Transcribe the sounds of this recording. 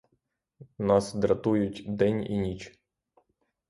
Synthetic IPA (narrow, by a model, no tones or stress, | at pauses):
nɑsd̪ɾɐt̪ujʊtʲd̪ɛnʲḭnʲit͡ʃ